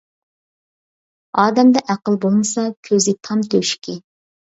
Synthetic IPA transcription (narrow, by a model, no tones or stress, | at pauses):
ɑːd̪ɛmd̪ɛʔæqəlˠbolˠmɨsɑkʲʰøzɪt̪ʰɑmt̪ʰøʃkʲʰɪ